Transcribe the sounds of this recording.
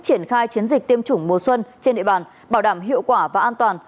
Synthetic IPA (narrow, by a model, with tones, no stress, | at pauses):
t͡ɕi˧˩ənxaː˧jt͡ɕi˨˦ənzi˨˩k̚t̪i˧əmt͡ɕʊ˧˩ŋ͡mmo˨˩swə˧nt͡ɕe˧nɗḭ˧˨ɓaː˨˩n | ɓaː˧˩wɗaː˧˩mɦḭ˧˨əwkwaː˧˩vaː˨˩ʔaː˧nt̪waː˨˩n